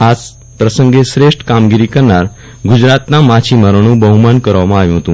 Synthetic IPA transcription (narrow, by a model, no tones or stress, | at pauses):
ad͡z | pɾəsəŋɡesɾeʂʈkamɡiɾikəɾɳaɾ | ɡud͡ʑɾat̪namat͡ɕʰiməɾɽ̃ũːbəɦumankəɾʋamãaʋjũɦət̪ũː